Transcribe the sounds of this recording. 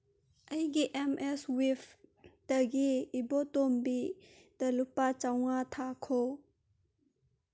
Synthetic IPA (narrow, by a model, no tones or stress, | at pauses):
ʔɐjɡiʔɛmʔɛswifd̥əɡiːbɔtombi | tɐlupat͡ʃawŋat̪ʰakʰo